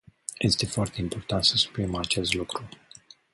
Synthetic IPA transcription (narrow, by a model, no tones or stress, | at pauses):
je̞st̪e̞foart̪e̞impo̞rt̪ant̪səsu̥pɾimat͡ʃe̞st̪lukɾu